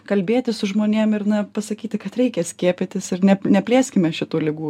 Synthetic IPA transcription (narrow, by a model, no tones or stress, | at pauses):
kɐlʲbʲeːt̪ʲɪsʊʒmoːnʲiɛmɪrnɐpɐsɐkʲiːt̪ʲɪkɐt̪ɾʲɛɪkʲɛsʲkʲiɛpʲɪt̪ʲɪsɪrnʲɛnʲɛpʲlʲeːsʲkʲɪmʲɛʃʲɪt̪uːlʲɪɡuː